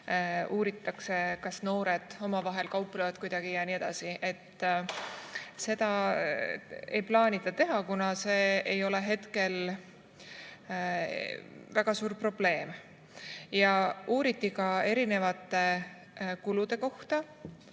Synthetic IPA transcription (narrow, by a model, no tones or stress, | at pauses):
uːɾit̪ːˑɑkse̞kɑsno̞ːɾe̞d̪̥o̞mɑvɑɦe̞lkɑwpːˑlevɑt̪̚kujd̪̥ɑɡ̥ijɑnie̞d̪̥ɑ̰siʔe̞t̪ː | se̞d̪̥ɑ | e̞jplɑːnʲit̪ːˑɑt̪e̞ɦɑkunɑse̞ːejo̞le̞ɦe̞t̪ke̞l | væɡ̥ɑsuːɾpro̞b̥le̞ːm | jɑuːɾit̪ˑːikɑe̞ɾine̞vɑt̪ːˑe̞ | kulud̪̥e̞ko̞ht̪ɑ